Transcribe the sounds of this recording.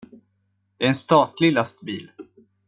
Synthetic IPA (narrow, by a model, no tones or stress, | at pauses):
d̪̥ɛæːɾɛnst̪ɑːt̪lɪlast̪biːl